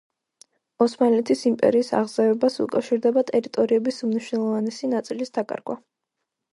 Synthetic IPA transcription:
ɔsmanlɛt̪ʰisimpʼɛ̰ɾiːsa̰ʁzɛvɛbasṵkʼafʃiɾd̪ɛbat̪ʼɛɾit̪ʼɔɾiɛbisumniʃwnɛlˠɔvanɛsinat̪sʼilisd̪akʼa̰ɾɡwa̰

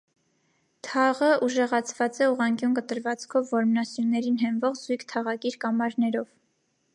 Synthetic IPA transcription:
t̪ʰɑʁəʔuʒɛʁɑt͡sʰvɑt͡sɛuʁɑŋkʲjunkət̪əɾvɑt͡skʰɔvːɔɾmnɑsjunːɛɾinɦɛnvɔʁzujkʰt̪ʰɑʁɑkiɾkɑmɑɾnɛɾɔv

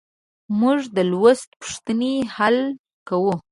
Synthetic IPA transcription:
muʐd̪əlwəst̪pu̥ʂt̪ənehal | kawu

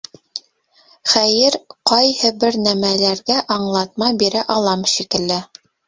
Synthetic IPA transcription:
χæjɘɾqɑjhɤbɘ̆ɾnæmælæɾɡæʔɑɴlˠɑt̪̚mɑbiɾæʔɑlˠɑmʃikɘ̆lːɘ

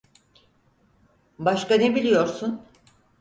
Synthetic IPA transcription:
baʃkanebilʲijo̞ɾsun

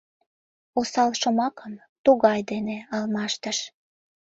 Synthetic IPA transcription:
osɑlʃomɑkəm | t̪uɣɑjd̪eneɑlmɑʃt̪əʃ

